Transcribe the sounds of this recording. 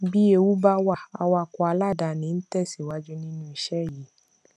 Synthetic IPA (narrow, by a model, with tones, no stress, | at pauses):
bi˦e˧wu˦ba˦wa˧a̰˨wa˧kɔ˧a˧la˦˨da˨nĩ˨˦n̩˦tɛ˦˨si˨wa˦d͡ʒu˦nĩ˦nũ˦i˧ʃɛ˦˨ji˨˦